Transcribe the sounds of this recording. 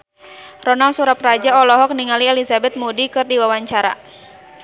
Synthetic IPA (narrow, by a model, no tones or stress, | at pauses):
rɔnalsuɾaprad͡ʒaɔlɔɦɔk̚niŋaliɛlizabɛt̪̚mudikɨrdiwawaɲt͡ʃaɾa̰